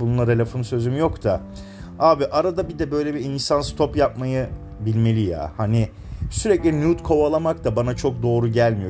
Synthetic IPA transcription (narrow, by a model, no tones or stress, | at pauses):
bununˠaɾelʲefonsø̞zymyjo̞kt̪ʰa | aːbiʔaɾad̪abid̪ɛbø̞jlʲebiinsanst̪ʰo̞pjap̚majɯ | bilʲme̞lʲija̰ːhani | syɾɛclʲinuːt̪kʰo̞βalˠamakt̪ʰabanat͡ʃʰo̞k̚d̪o̞ːɾuɟælʲmijo